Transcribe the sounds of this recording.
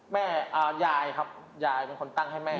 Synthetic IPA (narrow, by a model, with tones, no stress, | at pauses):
mɛː˥˩ʔaː˨˩jaː˨˩jkʰa˦˥p̚ | jaː˨˩jpe˧nkʰo˧nt̪a˥˩ŋha˥˩jmɛː˥˩